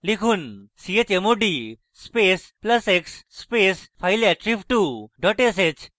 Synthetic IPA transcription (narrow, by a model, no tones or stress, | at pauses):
likʰunsiet͡ɕemoɖi | spesplɐseksːpespʰajlɛʈɾipʰʈuɖɔʈeset͡ɕ